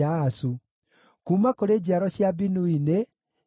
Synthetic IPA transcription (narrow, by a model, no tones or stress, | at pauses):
asu | kuːmakoɾeːd͡ʑiaɾɔɕjabinuine